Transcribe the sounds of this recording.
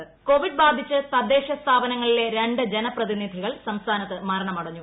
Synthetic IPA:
ko̞ːʋiɖbaːd̪ʱit͡ɕːɨsɐd̪ːe̞ːɕɐst̪ʰaːbɐnɐŋːɐɭile̞ɾe̞ɳɖɨd͡ʑenɐprɐðinid̪ʱiɣɐɭsɐmst̪ʰaːnɐt̪ːɨmɐɾɐɳɐmɐɽɐɲːu

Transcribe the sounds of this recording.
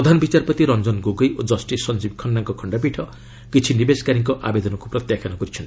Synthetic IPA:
ɾɔd̪ʱanɔbit͡ʃaɾpɔt̪iɾɔnd͡ʒɔnɡoɡojod͡ʒɔsʈisːɔnd͡ʒib̚kʰɔnːaŋkɔkʰɔɳɖap̬iʈʰɔ | kit͡ʃʰinibeskaɾiŋkɔʔa̰bed̪ɔnɔkupɾɔt̪jakʰanɔkɔɾit͡ʃʰɔnt̪i

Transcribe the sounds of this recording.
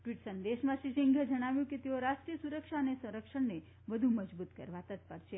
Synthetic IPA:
ʈʋiʈsənd̪eʃmãʃiʃiŋɡʱəd͡ʒəɽ̃aʋjũket̪eoɾaʃʈɾijəsuɾəkʃaənesɐ̃ɾəkʃəɳne | ʋəd̪ʱuməd͡ʒbut̪kə̰ɾʋat̪ət̪̚pəɾʃe

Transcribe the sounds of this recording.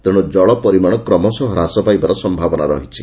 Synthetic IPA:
t̪eɽ̃ɔd͡ʒɔɭɔpɔɾimaɽ̃ɔkɾɔmɔsɔɦɔɾasɔpajbaɾɔsɔmbʱabɔnaɾɔɦit͡ʃʰi

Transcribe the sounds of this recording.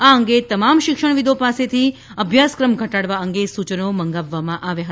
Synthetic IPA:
aəŋɡet̪əmamʃɪkʃəɳ̃ʋid̪opaset̪ʰi | əbʱjaskɾəmɡʱəʈaɽʋaəŋɡesut͡ʃənoməŋɡaʋːamãʔaʋjaɦə

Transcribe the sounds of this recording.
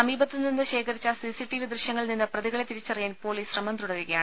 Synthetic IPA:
sɐmiːbɐt̪ːɨninːɨɕe̞ːkʰɐɾit͡ɕːasiːsiʈːiʋid̪rɨɕjɐŋːɐɭninːɐprɐðiɣɐɭe̞t̪iɾit͡ɕːɐrɐijaːnpo̞ːliːsrɐmɐnt̪uɽɐʋiɣɐjaːɳɨ

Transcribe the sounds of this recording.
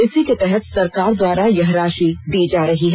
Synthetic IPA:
ɪsiket̪ɛɦɛt̪sɐɾkaːɾd̪waːɾajɐɦɾaːʃid̪iːd͡ʒaːɾɐɦiɦɛː

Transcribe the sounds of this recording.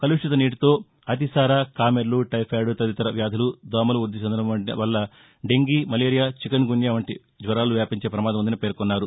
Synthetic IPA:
kɐluʂʈit̪ɐniːʈit̪o̞ː | ɐt̪̬isaːɾaːkaːmeɾluʈɐjpʰaːɖut̪ɐd̪it̪ɐɾɐʋjaːd̪ʱɐlud̪ɔːmɐluuɾd̪it͡ʃɐnd̪ɐnɐɐɳʈiʋɐlːɐ | ɖe̞ŋɡiːmɐleːɾijaːt͡ʃikɐnɡuɳjaːʋɐɳʈḭ | d͡ʒʋɐɾaːluʋjaːpiɲt͡ʃe̞ːpɾɐmaːd̪ɐmund̪ɐnɐpeːɾkɔnːaːɾu

